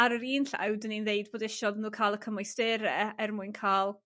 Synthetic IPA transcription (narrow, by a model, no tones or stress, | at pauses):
aɾəɾiːnɬa̰wdəninðeɨdboːdɛʃɔðnuːkʰaːlˠəkʰəmɔjstɪɾɛɛrmuɨnkʰaːlˠ